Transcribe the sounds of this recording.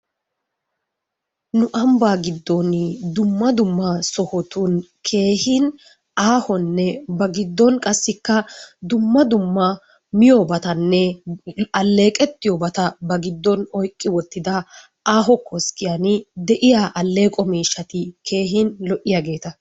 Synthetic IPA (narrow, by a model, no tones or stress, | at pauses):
nʊʔɐmbaːɡɪd̪ːɔnd̪ʊmːɐd̪ʊmːɐsɔhɔt̪unkʰe̞ːhɪn | aːhɔnːɛbɐɡɪd̪ːɔnkʼɐsːɪkːɐd̪ʊmːɐd̪ʊmːɐ | mɪjɔbɐt̪ɐnːɛ | ɐlːe̞ːkʼɛt̪ːɪjɔbɐt̪ɐbɐɡɪd̪ːɔnɔjkʼːɪwɔt̪ːɪd̪ɐ | aːɦɔkʰːɔskɪjanɪd̪ɛʔɪjaːʔɐlːe̞ːkʼɔmiːʃːɐt̪ɪkʰe̞ːɦɪnlɔʔːɪjaːɡe̞ːt̪ɐ